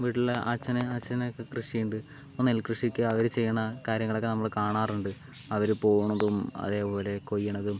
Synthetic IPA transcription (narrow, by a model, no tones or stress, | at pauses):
ʋiːʈːilːaːt͡ɕːɐnɐaːt͡ɕːɐnɐokːe̞krɨʂijuɳɖɨ | onelkrɨʂikʲːɨɐʋɐɾɨt͡ɕe̞jːɐɳɐkaːɾjɐŋːɐɭo̞kːenɐmːɐɭkaːɳaːruɳɖɨ | ɐʋɐɾupo̞ːɣuɳɐðumɐ̰ðe̞ːpo̞ːle̞ko̞jːɐnːɐðum